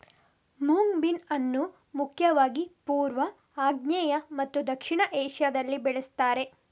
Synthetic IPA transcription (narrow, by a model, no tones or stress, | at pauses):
muŋbinɐnːu | mukʰjɐʋaːɡipuːɾʋɐ | aːɡɲɛːjɐmɐt̪ːud̪ɐkʂiɳɐʔɛːʂjɐd̪ɐlːibɛɭest̪aːɾe̞